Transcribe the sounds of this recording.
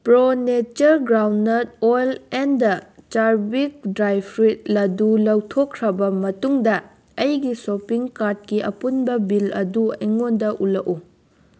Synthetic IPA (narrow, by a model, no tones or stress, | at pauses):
pɾonet͡ʃɐɾɡɾawnːɐt̚ojlendɐt͡ʃaɾbik̚dɾajpʰɾit̚lɐdulɐwtʰokʰːɾɐbɐmɐtuŋdɐ | ɐjɡisopiŋkaɾd̚kiʔɐ̰punbɐbilɐ̰duɐjŋondɐʔulɐku